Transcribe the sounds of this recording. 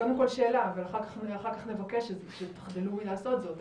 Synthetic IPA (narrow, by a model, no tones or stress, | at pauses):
kamukolʃeːlaːvalaχaʁkḁχaχaʁkaχnevakeʃeʃet̪ḁχdiluilaːso̞t̪zo̞t̪